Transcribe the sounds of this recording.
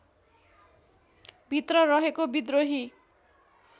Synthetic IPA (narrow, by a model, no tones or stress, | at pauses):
bʱit̪rʌrʌɦekobid̪roɦi